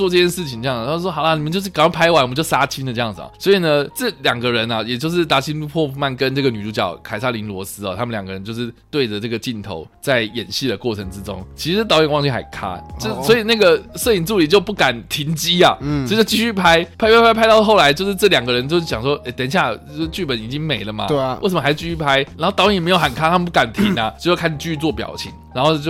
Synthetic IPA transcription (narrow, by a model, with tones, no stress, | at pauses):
wɔ˥˧ʈ͡ʂɤ˥˧t͡ɕjɛ˥˧nʂɻ̩˥˩t͡ɕʰi˧˦ŋʈ͡ʂɤ˥˧ɑ˥˩ŋ˨˩˨wɔ˥ɑ˨˩ʊla˧˨ni˨˩mə˦t͡ɕjo˥˧ʂ̬ɻ̩˥˩kɑ˥˩pʰa˥ɪwa˧˥n˨mə˦t͡ɕo˥˩sa˥t͡ɕʰi˥nd̪ə˧ʈ͡ʂɤ˥˧jɑ˥˩ŋd͡z̩˩ɐ̰˨˩swɔ˧˥i˨˩nə˦ʈ͡ʂɤ˥˩ljɑ˨˩ŋɡə˦ɻə˧˦nɐ˨jɛ˨˩t͡ɕjo˥˧ʊʂ̬ɻ̩˥˩t̪a˧˥t͡ɕʰi˥n˥pʰwɔ˥˧fu˥˩ma˥˩nkə˦nʈ͡ʂɤ˥˩ɡə˩ny˨˩ʈ͡ʂu˧˥t͡ɕjɑ̰˨˩˦ʊkʰa˨˩ɪsa˥li˧˥nlwɔ˧˥sɹ̩˥ɐ̰˨t̪ʰa˥mə˨ljɑ˨˩ŋɡə˧ɻə˧˦t͡ɕjo˥˧ʊʂɻ̩˥˩t̪we˥˩ɪʈ͡ʂə˩ʈ͡ʂɤ˥˩ɡə˩t͡ɕi˥˩nt̪ʰo̰˧˥ʊt͡sa˥˩ɪjɛ˨˩nɕi˥˩də˩kwɔ˥˩ʈ͡ʂʰɤ˧˥ŋʈ͡ʂɻ̩˦ʈ͡ʂo̰˥ŋt͡ɕʰi˧˥ʂ̩˧˥t̪ɑ˧˥ʊjɛ˨˩nwɑ˥˧ŋt͡ɕʰi˥˩xa˧˩ɪkʰa̰˥t͡ɕo˥˩swɔ˧˥i˨˩na˥˩ɡə˩sɤ˥˩i˨˩nt͡su˥˩li˨˩t͡ɕjo˥˧ʊpu˥˩ka˨˩˦nt̪ʰi˧˥nt͡ɕi˥ɐ˨˧˥t͡ɕo˥˧t͡ɕi˥˧ɕy˥˩pʰa˥ɪpʰa˥ɪpʰpʰa˥ɪa˥t̪ɑ˥˧ʊxo˥˩ʊla˧˦ɪt͡ɕjo˥˧ʊʂɻ̩˥˧ʈ͡ʂɤ˥˩ljɑ˨˩ŋɡə˦ɻə˧˦nt͡ɕjo˥˧ʊʂ̩˥˩ɕjɑ˨˩ŋʂwɔ˥e˥˩ɪt̪jɛ˨˥nɕ̬ja˥˩o˥˩˧t͡ɕy˥˩pə˨˦ni˨˩t͡ɕi˦˥ŋme˨˩ɪlə˦ma̰˨we˥˩sə˨mə˧˥ɪ˥˧t͡ɕi˥˧˩y˥˩pʰa˥ɪɻnxt̪ɑ˧˥ʊɛ˨˩˨m˧˥jo˧˩ʊxə˨˩nkʰa˥t̪ʰmə˧˦p̬u˥ka˨˩nt̪ʰi˧˥nɐ˧˦t͡ɕo˥˧ʊjkʰa˥˩n˨˩t͡ɕy˥˧ɕy˥˧˥t͡swɔ˥˩pjɑ̰˨˩ʊt͡ɕʰḭ˨˥˦ŋɻa˧˥nxo˥˧ʊt͡ɕo˥˧